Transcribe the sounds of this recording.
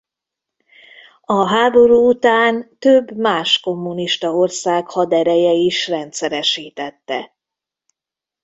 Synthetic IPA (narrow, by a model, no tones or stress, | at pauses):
ɒɦaːbo̞ɾuːut̪aːnt̪øbːmaːʃko̞mːuniʃt̪ɒo̞rsaːkhɒd̪ɛɾɛjɛiʃrɛnt̪sɛɾɛʃiːt̪ɛt̪ːɛ